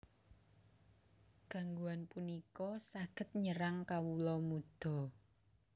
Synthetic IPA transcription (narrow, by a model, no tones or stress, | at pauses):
ɡ̥a̤ŋɡuanpunikɔsaɡ̥ə̤t̪̚ɲəɾaŋkawulɔmud̪̥ɔ̤